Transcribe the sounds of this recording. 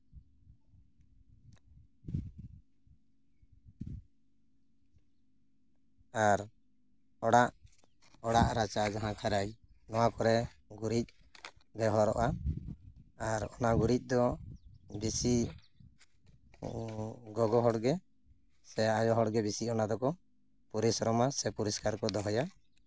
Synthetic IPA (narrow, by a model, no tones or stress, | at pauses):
aɾ | ɔɽaʔ | ɔɽaʔɾat͡ʃad͡ʒaɦãkʰaɾaj | nɔwakɔɾɛɡuɾic̚ | bɛɦɔɾɔ̰ʔa | aɾɔnaɡuɾic̚ˀd̪ɔ | bisi | ɡɔɡɔɦɔɽɡɛ | sɛajɔɦɔɽɡɛbisiɔnad̪ɔkɔ | puɾisɔɾɔmasɛpuɾiskaɾkɔd̪ɔɦɔja